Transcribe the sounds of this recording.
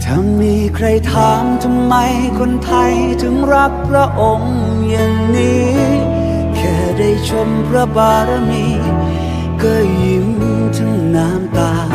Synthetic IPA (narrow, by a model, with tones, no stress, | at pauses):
t̪ʰa˧˩mːiː˧˥kʰɾa˧jt̪ʰaː˨˦mt̪ʰa˧mːa˧j | kʰo˧nt̪ʰa˧j | t̪ʰɯ˨˦ŋɾa˦˥k̚pʰɾa˧˥ʔo˧˩ŋ | ja˨˩ŋniː˦˥ | kʰɛː˧˩da˥˩jt͡ɕʰo˧mpʰɾa˧˥baː˧ɾa˧niː˧˥ | kɤː˧˩jɯ˨˩˦ŋ | t̪ʰɯ˧˥˩ŋnaː˦˥mt̪aː˧